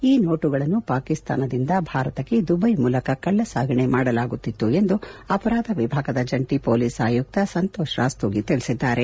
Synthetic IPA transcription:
iːno̞ːʈuɡɐɭɐnːupaːkist̪a̰ːnɐd̪ind̪ɐbʱaːɾɐt̪ɐkːe̞d̪ubɐjmuːlɐkɐkɐɭːɐsaːɡʱɐɳe̞maːɽɐlaːɡut̪ːit̪ːue̞nd̪uɐpɐɾaːd̪ʱɐʋibʱaːɡɐd̪ɐd͡ʒɐɳʈipoːliːsaːjuk̚t̪ɐsɐnt̪ɔːʃɾa̰ːst̪oːɡit̪iɭisid̪ːaːɾe̞

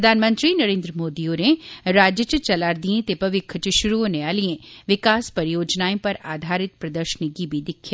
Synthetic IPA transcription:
ɾəd̪ʱaːnmə̃nt̪ɾinəɾẽːnd̪ɾəmoːd̪ioneɾaːd͡ʒjət͡ʃt͡ʃɐlaːɾd̪iẽt̪epɐʋɪkʰt͡ʃəʃʊɾuoːneaːliẽʋɪkaːspɐɾjoːd͡ʒnaːẽpɐɾaːd̪ʱaːɾɪt̪̚pɾɐd̪əɾʃənɪɡibʱid̪ɪkʰːjaː

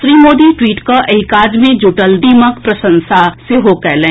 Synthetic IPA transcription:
ʃɾiːmoːd̪iʈwiːʈkaʔɐɪkaːd͡ʒmẽd͡ʒuʈəlɖ̪iːməkpɾɐsə̃nsaseɦokɛːlẽ

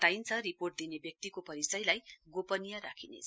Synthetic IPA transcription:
t̪ajnt͡sʰʌɾiporʈ̚d̪inebjʌk̚t̪ikopʌɾisʌjlajɡopʌnijaɾakʰinḛt͡s

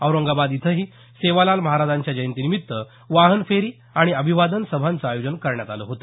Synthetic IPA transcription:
əwɾəŋɡabad̪it̪ʰəɦiː | seʋalalməɦaɾad͡zaɲt͡ɕjad͡ʑəjənt̪inimit̪ːə | ʋaɦənfeɾiː | aɽ̃iəbʱiʋad̪ənsəbʱant͡səajod͡ʑənkəɾɳjat̪aləɦot̪ə

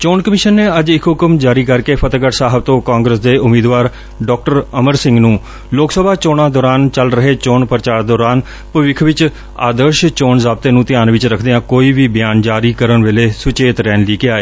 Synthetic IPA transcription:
t͡ʃoːɳkəmɪʃənːeːəd͡ʒɪkʰɦʊkəmd͡ʒaːɾiːkəɾkeːpʰət̪ɡəʈsaːɦəbt̪õːkãːŋɡɾəsd̪eːʔʊmiːd̪ʋaːɾ | ɖɔːk̚ʈəɾəməɾsɪ̃ŋɡnũː | loːksəbʱaːt͡ʃoːɽ̃ãːd̪ɔːɾaːnt͡ʃəlɾəɦeːt͡ʃoːɳpəɾət͡ʃaːɾd̪ɔːɾaːn | pəʋɪkʰʋɪt͡ʃ | a̰ːd̪əɾʃt͡ʃoːɳzaːb̚t̪eːnũːt̪ɪjaːnʋɪt͡ʃɾəkʰd̪eːãːkoːiːʋiːbɪjaːnd͡ʒaːɾiːkəɾəɳʋeːleːsʊt͡ʃeːt̪ɾɛːnliːkeaːeː

